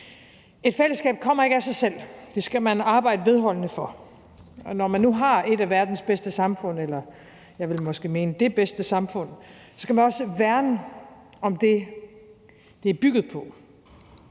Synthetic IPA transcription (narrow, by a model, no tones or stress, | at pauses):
e̝d̥fel̰əsɡ̥ɛ̰ːb̥̚kʰɒ̽m̰ɐe̝ɡ̥æsɑ̈ɪsel̰d̥e̝sɡ̥æmænɑ̈ːb̥ɑ̈ɪ̰dəʋe̝ð̞ˠɦɒ̽l̰nəfɒ | nɒmænːuɦɑ̈e̝d̥æʋæɐd̥n̩sb̥esd̥əsɑ̈mfɔ̽n̰elɐ | jɑ̈ɪʋe̝lmɒ̽sɡ̥e̝̰ːme̝ːnəd̥e̝b̥esd̥əsɑ̈mfɔ̽n̰sɒ̽skæmænɒ̽səʋæɐnəɒ̽md̥e̝ | d̥e̝æɐb̥yɡ̥ð̞̩ˠpʰɒ̽